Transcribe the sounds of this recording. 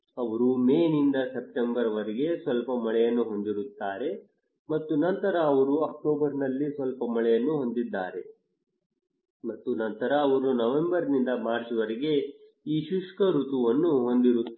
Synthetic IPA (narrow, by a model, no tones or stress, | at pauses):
ɐʋɐɾumeːnind̪ɐsep̚ʈembɐɾɐʋɐɾiɡe̞sʋɐlpɐmɐɭɛjɐnːuɦo̞nd̪iɾut̪ːaːɾe̞ | mɐt̪ːunɐnt̪ɐɾɐːʋɐɾuɐk̚ʈoːbɐɾnɐlːisʋɐlpɐmɐɭɛjɐnːuɦo̞nd̪id̪ːaːɾe̞ | mɐt̪ːunɐnt̪ɐɾɐːʋɐɾunɐʋe̞mbɐɾnind̪ɐmaːɾt͡ʃɐʋɐɾiɡe̞ | iːʃuʂkɐɾut̪uʋɐnːuɦo̞nd̪iɾu